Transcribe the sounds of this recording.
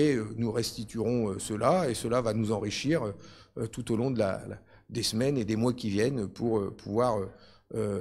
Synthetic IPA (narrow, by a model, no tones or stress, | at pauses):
ɛønuʁɛst̪it̪yʁɔ̃øsəlaesəlavanuzɑ̃ʁiʃiʁø | øt̪ut̪olɔ̃d̪əla̰l̰ | d̪esmɛned̪emwakʲivjɛnøpʰuʁøpʰuvwaʁøø